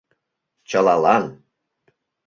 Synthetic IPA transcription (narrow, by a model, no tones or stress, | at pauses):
t͡ɕəlɑlɑn